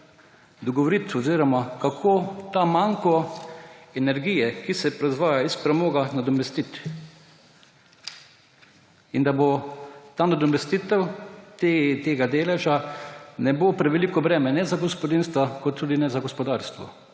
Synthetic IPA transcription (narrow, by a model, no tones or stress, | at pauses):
d̪ɔɡɔʋɔɾit̪ɔziːɾɔmakakʰoːt̪amaŋkɔ | ɛnɛɾɡiːjɛkisɛpɾɔzʋaːjaispɾɛmoːɡanad̪ɔmɛst̪it̪ | ind̪abot̪aːnad̪ɔmɛst̪it̪ɛwt̪et̪eːɡad̪eːlɛʒanɛboːpɾɛʋɛlikɔbɾɛːmɛnɛzaɡɔspɔd̪inst̪ʋakɔt̪ːuːd̪inɛzaɡɔspɔd̪aɾst̪ʋɔ̰